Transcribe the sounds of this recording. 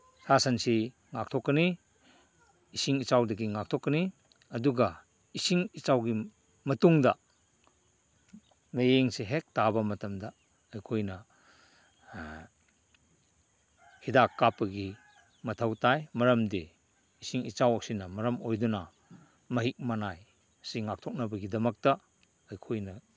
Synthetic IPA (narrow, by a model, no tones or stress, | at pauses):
sasɐnsi | ŋak̚tʰɔkːɐni | isiŋit͡ʃawdɐɡiŋak̚tʰokːɐni | ɐduɡɐ | isiŋit͡ʃawɡi | mɐtuŋdɐ | mɐjeŋseɦek̚tabɐmɐtɐmdɐː | jkʰojnɐ | hidakːapːɐɡi | mɐtʰɐwtajmɐɾɐmdi | isiŋit͡ʃawɐksinɐmɐɾɐmojdunɐ | mɐɦik̚manaj | siŋak̚tʰɔk̚nɐbɐɡidɐmɐk̚tɐː | jkʰojnɐ